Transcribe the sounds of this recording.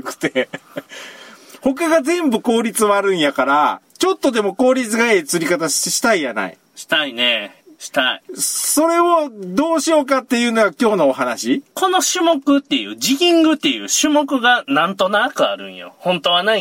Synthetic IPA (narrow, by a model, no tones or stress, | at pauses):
kɯ̟̥t̪e̞ | ho̞kaɡazẽ̞mbɯ̟ko̞ːɾʲit͡sɨβaɾɯ̟̃ɰ̃jakaɾa̰ | t͡ɕo̞t̪ːo̞d̪e̞mo̞ko̞ːɾʲit͡sɨɡaet͡sɨɾʲikat̪aɕi̥t̪eɕi̥t̪aijana̰ḭ | ɕi̥t̪aine̞ | ɕi̥t̪aiso̞ɾe̞od̪o̞ːɕio̞ːkat̪ːe̞jɯ̟ːno̞ɡakʲo̞ːno̞ːɦanaɕikʰo̞no̞ɕɨmo̞kɯ̟t̪ːe̞jɯ̟̰ːd͡ʑiɡʲĩŋɡɯ̟t̪ːe̞jɯ̟̰ːɕɨmo̞kɯ̟ɡanãnt̪o̞nakɯ̟a̰ɾɯ̟̰̃ɰ̃jo̰hõ̞nt̪o̞βanai